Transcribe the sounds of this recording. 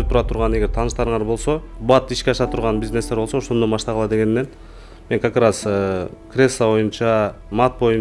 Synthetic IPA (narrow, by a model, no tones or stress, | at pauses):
t̪ʰːuɾɑt̪ʰuɾʁɑne̞ɡʲe̞ɾt̪ʰɑːnɯʃt̪ɑɾɯɴɑɾbo̞lˠso̞bɑt̪iʃkʲeɑʃɑt̪ʰuɾʁɑnbʲizne̞st̪e̞ɾbosooʃo̞nd̪ombɑʃt̪ɑʁɑlˠɑd̪e̞ɡe̞nːe̞n | me̞ŋkʰɑkɾɑzkrʲe̞sːaβo̞junt͡ʃɑ | mɑt̪̚bo̞jun